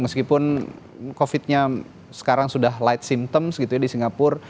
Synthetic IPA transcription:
məskipʊn | kofɪt̪̚ɲa | sə̥kaɾaŋsudaɦlaɪt̪̚simt̪əmsɡit̪uɲadisiŋɡapʊr

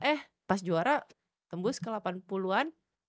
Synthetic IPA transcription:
ʔɛh | pasd͡ʒuaɾa | t̪əmbʊskəlapanpuluan

